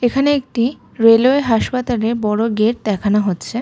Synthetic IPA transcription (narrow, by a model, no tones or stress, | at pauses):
ekʰaneek̚ʈi | ɾeloeɦaʃpat̪alebɔɽoɡeʈ̚d̪ɛkʰanaɦotːɕʰe